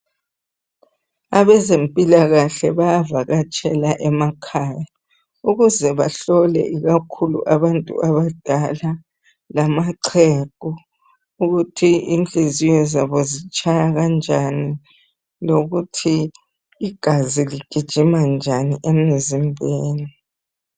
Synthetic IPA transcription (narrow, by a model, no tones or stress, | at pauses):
aβɛzempʼilaɣaɬɛβajavaɣat͡ʃʼɛlaʔɛmakʰaːja | uɣuzɛβaɬɔlɛ̰ʔiɣakʰulṵʔaβantʼṵʔaβad̥ʱala | lamaǀʰɛkʼu | uɣutʰiind͡ɮizijɔzaβɔzit͡ʃʼajaɣand͡ʒʱani | loɣutʰiː | ɡ̥ʱaziliɡ̥ʱid̥ʒ̥ʱimand͡ʒʱaniʔemizimbʱeːni